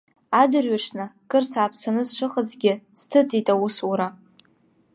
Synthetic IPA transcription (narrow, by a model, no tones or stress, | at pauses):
adɨrɥaʂnakʼɨrsaːpʰsanɨzʂɨχəzɡʲɪz̥tʰɨt͡sʼitʼawusuɾa